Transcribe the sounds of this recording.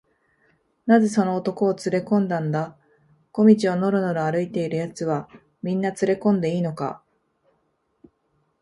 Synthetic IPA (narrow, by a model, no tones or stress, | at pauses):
naze̞so̞no̞ːt̪o̞ko̞ːt͡sɨɾe̞kõ̞nd̪ãnd̪a | ko̞mʲit͡ɕio̞no̞ɾɯ̟no̞ɾoaɾɯ̟it̪e̞iɾɯ̟jat͡sɨβ̞a | mʲĩnːat͡sɨɾe̞kõ̞nd̪e̞iːno̞ka̰